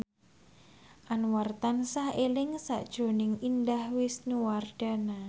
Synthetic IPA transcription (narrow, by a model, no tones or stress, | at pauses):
ʔanwart̪ansahelɪŋsa̰ʔd̥ʒ̥o̤nɪŋindahwɪsnuward̥a̤na